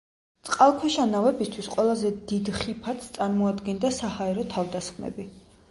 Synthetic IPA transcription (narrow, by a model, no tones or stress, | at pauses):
t̪sʼqʼalˠkʰwɛʃanavɛbist̪ʰwisqʼwɛlˠazɛd̪id̪χipʰat̪sʰt̪sʼaɾmɔad̪ɡɛnd̪asahaɛɾɔt̪ʰavd̪asχmɛ̰bi